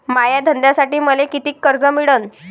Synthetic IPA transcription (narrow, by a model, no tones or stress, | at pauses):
majad̪ʱənd̪jasaʈiːməlekit̪iːkːəɾd͡zəmiɽən